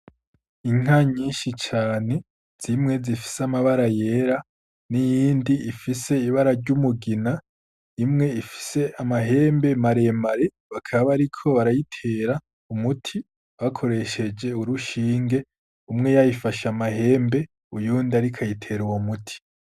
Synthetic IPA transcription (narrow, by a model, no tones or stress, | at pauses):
iŋ̥aɲiːnʃit͡ʃaːne̞ | z̥imŋe̞zifi̥seamaβaɾaje̞ɾa | nijiːndiifise̞iβaɾaɾɟumuɡina | imŋe̞ifi̥se̞ʔamaɦe̞ːmbe̞maɾe̞maɾe̞ | βakʰaββaɾikʰo̞βaɾajitʰe̞ːɾa | umutʰi | βakʰo̞ɾe̞ʃe̞d͡ʒe̞uɾuʃiːŋɡe̞ | umŋe̞jajifaʃamahe̞ːmbe̞ | ujuːndaɾikʰajitʰe̞ɾuwomutʰi̥